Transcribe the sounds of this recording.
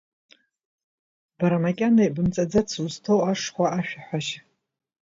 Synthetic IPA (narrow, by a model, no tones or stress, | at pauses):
b̥aɾamakʲʼanajbɨmt͡sʼad͡zat͡sʰuztʰowaʂχʷaʔaʃᶣaħʷaʃ